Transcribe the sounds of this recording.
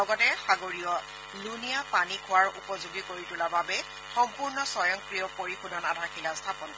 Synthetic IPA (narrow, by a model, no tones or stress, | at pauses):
lɔɡɔtɛxaɡoɹijɔ | lunijapanikʰʊwaɹupɔzuɡikoɹitʊlababɛ | xɔmpuɹnɔsɔjɔŋkɹijɔpoɹixʰunʱɔnadʱaɹxilastʰapɔn